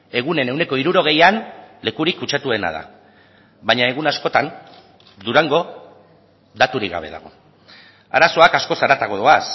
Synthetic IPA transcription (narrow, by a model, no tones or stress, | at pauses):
e̞ɣ̞une̞ne̞wne̞ko̞iɾuɾo̞ɣ̞e̞janle̞kuɾikːut͡ʃat̪ue̞na̰ða̰ | βaɲae̞ɣ̞unasko̞t̪an | d̪uɾaŋɡo̞ | d̪at̪uɾiɡa̰β̞e̞̰ða̰ɣ̞o̞̰ | a̰ɾaso̞akasko̞saɾat̪aɣo̞ðoas